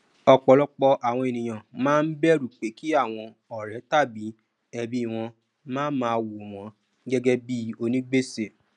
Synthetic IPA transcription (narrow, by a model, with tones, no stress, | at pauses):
ɔ˧k͡pɔ˧lɔ˦k͡pɔ˧ʔa˨w̃ɔ̃˧e˨nĩ˨j̃ã˨mãː˦n̩˦bɛ˦ɾu˨k͡pe˨˦ki˦a˦˨w̃ɔ̃˧ | ɔ˨ɾɛ˨˦ta˦˨bi˨˦ | ɛ˧bi˦˨w̃ɔ̃˧ | mãː˦n˦mãː˧wo˨w̃ɔ̃˨˦ | ɡɛ˦ɡɛ˦bi˦o˧nĩ˦ɡ͡be˦se˦˨